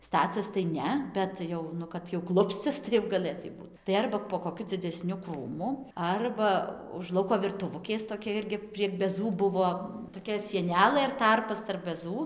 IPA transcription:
ˈstɑːt͡sʲɛs tɐɪ ˈnʲɛ ˈbʲɛt jɛʊ ˈnʊ kɐt jɛʊ ˈklˠʊpʲsʲt͡sʲɛs tɐɪ jɛʊ ɡɐˈlʲeːtɐɪ ˈbuːt tɐɪ ˈɐrbɐ poː koːˈkʲʊ d͡zʲɪdʲɛˈsʲnʲʊ ˈkruːmʊ ˈɐrbɐ ʊʃ ˈlˠɐʊkoː ʋʲɪrtʊˈʋʊkʲeːs toːˈkʲɛ ˈɪrʲɡʲɪ pʲrʲiɛk bʲɛˈzuː ˈbʊʋoː toːˈkʲɛ sʲiɛˈnʲæːlˠɘ ɪr ˈtɐrpɐs tɐrp bʲɛˈzuː

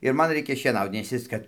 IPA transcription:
ɪr ˈmɐn ˈrʲɛɪkʲɛ ʃʲiɛˈnɐʊt nʲɛs ˈjɪs kɐt

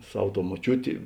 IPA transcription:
ˈsɐw ˈtoːʊ moːˈt͡ʃʲuːtʲɪ

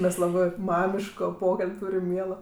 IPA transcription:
mʲɛs ˈlˠɑːbɜ ˈmɑːmʲɪʃkoː ˈpoːkɐlʲpʲ ˈtuːrʲɪm ˈmʲiɛlˠoː

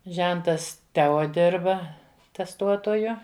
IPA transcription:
ˈʒʲɛntɐs ˈtʲɛoː ˈdʲɪrbɐ tʲɛsˈtuɔtoːjʊ

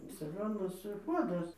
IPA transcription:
sɐˈɡoːnɐs ˈpuɔdɐs

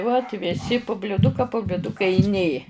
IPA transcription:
ʋɐt ʋʲɪˈsʲɪ pʊ bʲlʲʊˈdʊkɐ poː bʲlʲʊˈdʊkɐ ɪ ˈnʲeː

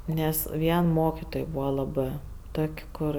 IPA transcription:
ˈnʲɛs ˈʋʲiɛn ˈmoːkʲɪtoːj ˈbuːʋɐ ˈlˠɑːbɜ ˈtoːkʲ ˈkʊr

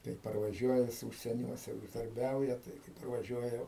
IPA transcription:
tɐɪ pɐrʋɐˈʒʲuɔjɛ jɪs uːʃʲsʲiɛˈnʲuɔsʲɛ uːʒdɐrʲˈbʲɛʊjɛ tɐɪ kɐɪ pɐrʋɐˈʒʲuɔjɛ

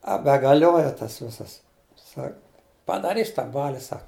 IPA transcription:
ɐ bʲɛɡɐˈlʲoːjɛ tɐs ˈʋʲɪsɐs ˈsɐk pɐdɐˈrʲiːs tɑː ˈbɑːlʲɪ ˈsɐk

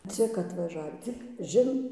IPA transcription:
ˈt͡sʲɪk ɐtʋɐˈʒɑːʋʲiː t͡sʲɪk ˈʒʲɪn

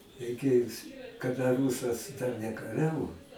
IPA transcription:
rʲɛɪˈkʲeːjʊs kɐˈdɐ ˈruːsɐs dɐr nʲɛkɐˈrʲæːʋoː

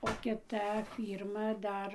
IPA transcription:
oː kʲɪˈtɐ ˈfʲiːrmɐ ˈdɐr

